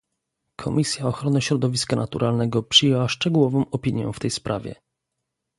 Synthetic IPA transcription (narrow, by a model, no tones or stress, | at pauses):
kʰɔmʲisʲjaɔxɾɔnɘɕɾɔd̪ɔvʲiskanʔat̪uɾʔalnɛɡɔpʂɘjɛwaʂt͡ʂɛɡuwɔvɔ̃w̃ɔpʲiɲjɛ̰̃ft̪ɛjspɾʔa̰vʲjɛ̰